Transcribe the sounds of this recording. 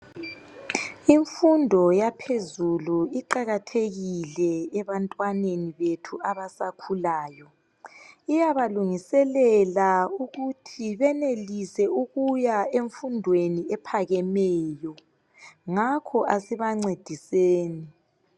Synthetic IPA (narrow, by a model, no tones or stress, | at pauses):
iɱfundʱɔjapʰezuluiǃaɣatʰeɣilɛɛβantʼwaneniβetʰuaβasakʰulaːjɔ | ijaβaluŋisɛlɛlauɣutʰiβɛnelisɛuɣujaeɱfundʱweniɛpʰaɣɛmɛːjɔ | ŋakʰɔʔasiβaŋ͡ǀed̥ʱiseːni